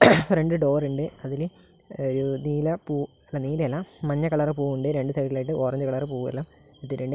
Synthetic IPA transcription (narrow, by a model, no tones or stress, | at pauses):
freɳɖɨɖo̞ːruɳɖeɐðil | oɾuniːlɐpuː | ɐlːɐniːlɐjɐlːɐmɐɲːɐkɐɭaːrɨp̬uːuɳɖɨɾe̞ɳɖɨt̪ɐjikːɐlaːjiʈːɨʔo̞ːrɐɲd͡ʑɨkɐɭaːrɨp̬uːɐ̰lːɐm | it̪ːiɾeɳɖɨ